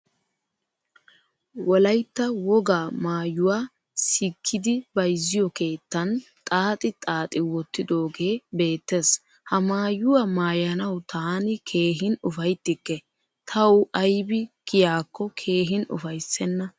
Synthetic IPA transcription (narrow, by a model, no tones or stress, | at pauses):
wɔlɐjt̪ːɐwɔɡaːmaːjːʊwaː | sikʰːɪd̪ɪbɐjzːɪjɔke̞ːt̪ːɐnt̪ʼaːt̪ʼɪt̪ʼaːt̪ʼɪwɔt̪ːɪd̪o̞ːɡe̞ːbe̞ːt̪ːeːs | hɐmaːjʊwamaːjɐnɐwt̪ʰaːnɪkʰe̞ːɦɪnʊfɐjt̪ːɪkːɛ | t̪ʰɐwɐjbɪkɪjaːkːɔkʰe̞ːɦɪnʊ̰fɐjsːɛnːɐ